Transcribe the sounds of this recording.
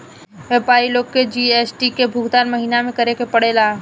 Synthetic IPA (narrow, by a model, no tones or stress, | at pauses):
ʋepaːɾiloːɡ̚ked͡ʒiːeːsʈikebʱʊɡd̪aːnməɦiːnamẽkəɾekepəɽeːlaː